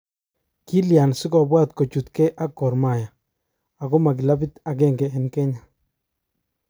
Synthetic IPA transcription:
ki˦lja˨nsɪ˦kɔ˨bwa˦t̪ko˨t͡ʃu˨t̪kɛ˦ʔa˦kːɔ˨ɾma˨jaː˨ | kɔ˦ma˨kɪ˨la˦bi˦t̪a˨k̬ɛ˦ŋɡɛ˨ɛ˨nkɛ˦ɲa˨

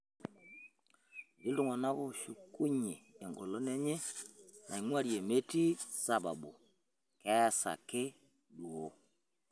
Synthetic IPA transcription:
ɡi˦ldu˦˨ŋo˨na˦ɣo˦ʃu˨ku˦ɲi˨e˨ŋɡo̰˨lo˦ne˦ɲe˦na̰˨i˨ŋwa˦ɾje˨me˦ti˦sa˨ba̰˨bo̰˨ | kɛ˦˨sa̰˨kɪ˦ | du˨o˦

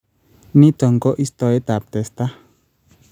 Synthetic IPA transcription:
ni˦t̪ɔ˨ŋkɔ˦ʔi˦st̪ɔ˨e˦t̪a˨p̚t̪ɛ˨st̪a˦

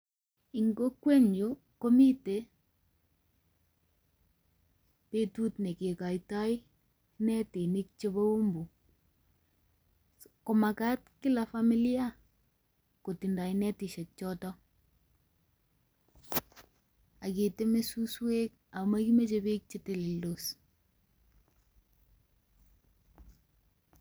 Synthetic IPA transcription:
i˨ŋɡo˦kwe˦ɲd͡ʒo˦ | ko˦mi˦te˨ | pe˦tu˦tne˨ke˨ka˨jta˦j | nɛ˦ti˨ni˦kt͡ʃe˦bo˦o˦mbu˨ | ko˨ma˨ka˦tkɪ˦la˨fa˦mi˦li˦a˦ | ko˨ti˨nda˨jnɛ˦ti˨ʃɛ˨k̚t͡ʃɔ˦tɔ˦ | a˨ke˨te˦me˦su˦swe˦k | a˨ma˦ki˦me˦t͡ʃe˦be˦k̚t͡ʃe˦te˨li˨ldo˨s

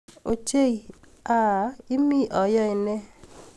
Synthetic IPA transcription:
o˨t͡ʃe˦˨i˨ | a˦˨ɪ˦mi˦ʔɔ˨jɔ˦ɪ˨nɛ˦

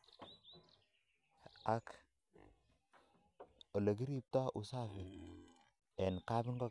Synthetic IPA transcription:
a˨k | o˨le˨ki˦ɾi˦p̚tɔ˦ʔu˨sa˦fi˨ | ɛ˨nka˦bɪ˦ŋɡo˦

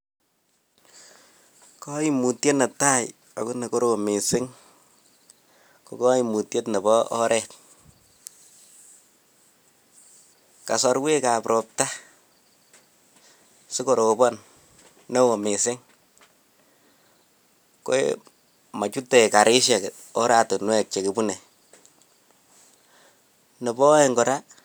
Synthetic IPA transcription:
kɔ˦i˦mu˨tje˦tna˨ta˦j | a̰˨ku˦ne˨ko˦ɾo˨mɪ˨sɪ˦ŋ | ko˨kɔ˦i˨mu˨tje˦tnɛ˨bɔɔ˦ɾʔɛt | ka˨sɔ˧ɾwe˦ka˨pɾɔ˨p̚ta˦ | sɪ˦ko˨ɾo˨bɔ˦n | nɛ˦wo˨mɪ˨sɪ˦ŋ | ko̰˦ḛ | ma˨t͡ʃu˦te˨ka˨ɾɪ˦ʃe˨k | ɔ˦ɾa˨to˨nwɛ˦k̚t͡ʃe˨ki˨bu˦ne˨ | nɔ˨bɔ˦ɛ˨ŋɡɔ˨ɾa˦

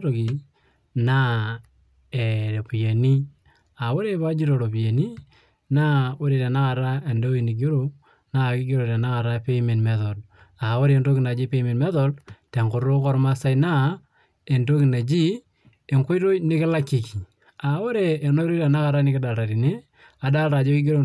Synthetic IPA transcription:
ɾo˨ki˨ | na˦ | e˨ɾe˨pu˨je˨ni˦ | a˨wo˦ɾe˦pa˦d͡ʒi˦ɾo˨ɾo˨pi˨je˨ni˦ | na˦wo˦ɾe˨ɾɛ˨na˦ka˨ɾa˦e˨ndo˦i˨nɪ˨ɡ̬i˦ɾo˨ | na˦kɪ˦ɡi˦ɾo˨ɾɛ˨na˦ka˨ɾa˦pe˦me˨nmɛ˨ðo˨l | a˨wo˦ɾe˨ndo˦ki˨na˨d͡ʒi˦pe˦me˨nmɛ˦ðɔ˦lte˨ŋkʊ˨˦ɾo˦kɔ˦ɾma˦sa˦i˦na˦ | e˨nto˦kɪ˨na˨d͡ʒi˦ | e˨ŋko˦ɾo˦jnɪ˦kɪ˦la˦ki˨ki˨ | a˨wo˦ɾeː˨no˦jɾo˦ɾɛ˨na˦ka˨ɾa˦nɪ˦kɪ˦da˨ɾa˨ɾi˨ne˦ | a˨da˦ɾa˨d͡ʒo˦kɪ˦ɡe˦ɾo˦

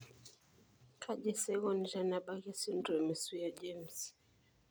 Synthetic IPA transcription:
kʰa˦ʄɛ˦sɛ˦ɣɔ˦nʒa˨na˨ɓa˦ɣɛ˦si˦n˦dɔ˨mɛ˨su˦jad͡ʒɛms

